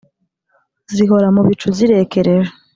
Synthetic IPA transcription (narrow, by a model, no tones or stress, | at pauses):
ziɦo̞ɾamuβit͡ʃuziɾe̞keɾeɾa